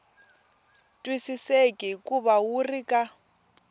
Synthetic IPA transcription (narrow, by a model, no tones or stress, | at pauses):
tʼwisisekʼikʼuβawurikʼa